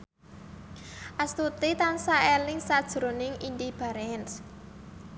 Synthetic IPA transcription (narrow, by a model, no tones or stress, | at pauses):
ʔast̪ut̪it̪ansaelɪŋsad̥ʒ̥ɾonɪŋind̪ib̥a̤ɾɛns